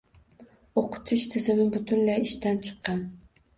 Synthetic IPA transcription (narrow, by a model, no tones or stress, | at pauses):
oqʰʊ̥t̪ʰɪʃt̪ʰɪzɪmɪbʊt̪ʰʊnlajɪʃt̪ant͡ʃʰɨ̥qːɑn